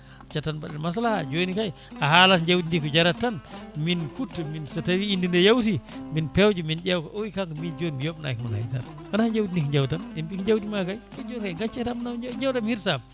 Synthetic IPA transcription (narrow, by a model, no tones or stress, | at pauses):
t͡ʃatːanbaɗɛlmas̬alahad͡ʒonikaj | ʔahalatɲd͡ʒawtindikɔd͡ʒaɾatːanminkutːuminsatawiːndindɛjawt̬iminpɛwd͡ʒumind͡ʒɛwkɔʔowikaŋkɔmid͡ʒonbijoɓna̰jkmɔnha̰jta̰n | kanahaɲd͡ʒawtindikɲd͡ʒawtamɛmbikɲd͡ʒawtimakajkɔd͡ʒoɾaɡat͡ʃːɛtamnawɲd͡ʒawtamhiɾsam